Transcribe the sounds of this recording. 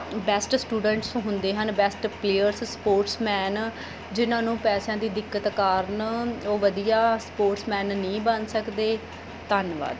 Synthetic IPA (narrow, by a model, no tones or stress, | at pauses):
bɛːsʈsʈuːɖəɳʈsɦʊnd̪eːɦənbɛːsʈpleːəɾsspoːɾʈsmɛːn | d͡ʒɪnãːnũːpɛːsãːd̪iːd̪ɪkːət̪kaːɾənoːʋəd̪ijaːspoːʈsmɛːnːĩːbənsəkd̪eː | t̪ənʋa̰ːd̪